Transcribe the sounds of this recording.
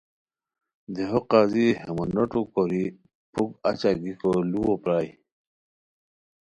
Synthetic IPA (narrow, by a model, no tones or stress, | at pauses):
d̪eɦoqazihemunoʈukoɾi | puka̰t͡ɕaɡikoluwopɾaːj